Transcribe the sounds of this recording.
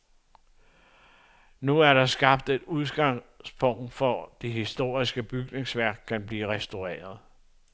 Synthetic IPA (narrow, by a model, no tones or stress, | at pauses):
nuæɐɾ̥ɑ̈sɡ̥ɑ̈b̥d̥e̝d̥uðˠɡ̥ɑ̈ŋspʰɔ̽ŋ̰d̥fɒd̥e̝ɦisd̥o̝ːɐ̰isɡ̥əb̥yɡ̥ne̝ŋsʋæɐ̰ɡ̥̚kʰːænb̥liːʁɛsd̥oʁɛ̰ːɐð̞ˠ